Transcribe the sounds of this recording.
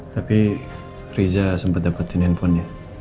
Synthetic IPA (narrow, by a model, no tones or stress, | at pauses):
t̪api | ɾid͡ʒasəmpət̪̚d̪apət̪ːinɛnpʰɔnːi